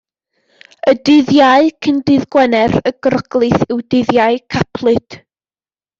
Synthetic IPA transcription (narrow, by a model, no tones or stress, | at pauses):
ədɪðjaɨkʰəndɨðɡwɛnɛrəɡrəɡ̥lˠɨθɪwdɪðjaɨkʰapʰlˠɨd̥